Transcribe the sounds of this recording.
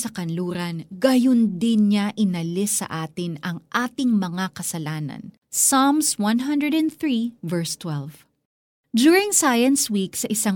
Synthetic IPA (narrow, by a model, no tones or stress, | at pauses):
sɐkɐnluːɾɐnɡɐjond̪ɪnɲaʔɪnɐlɪsːɐ̰ʔaːt̪ɪnɐŋʔaːt̪ɪŋmɐŋakɐsɐlaːnɐ̰n | samswɐ̃nɦɐ̃nd̪ɹɛd̪ɐ̃nθɹivɛɹst̪wɛlv | d͡ʒuːɹɪŋsajɐnswiksɐʔɪsaŋ